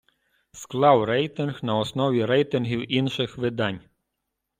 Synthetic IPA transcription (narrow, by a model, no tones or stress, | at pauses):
sklˠawɾɛjt̪ʲɪnxnɐɔsnɔʋʲiɾɛjt̪ɪnɦʲiwinʃɪxʋɪd̪anʲ